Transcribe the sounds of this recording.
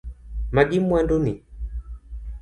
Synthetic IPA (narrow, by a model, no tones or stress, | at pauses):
maɡimwanduni